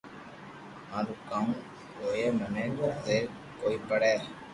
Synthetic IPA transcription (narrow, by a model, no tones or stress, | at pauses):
ãːɾuːkãːũː | koːjeːməneːkot̪eː | koːiːpəɽeː